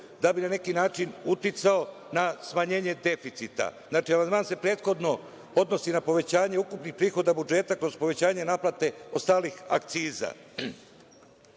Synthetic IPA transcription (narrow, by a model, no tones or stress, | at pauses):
d̪abinane̞kinaːt͡ʃinut̪it̪sao̞ | nasmaɲe̞ːɲe̞d̪e̞fit̪sit̪a̰znaːt͡ʃiamand̪maːnse̞pɾe̞ːt̪xo̞d̪no̞ | o̞d̪no̞sinapo̞ʋe̞t͡ɕaːɲe̞ukupnixpɾiːxo̞d̪abud͡ʒe̞ːt̪akɾo̞z̥po̞ʋe̞t͡ɕaːɲe̞naːplaːt̪e̞o̞st̪aːlixa̰kt̪siːza̰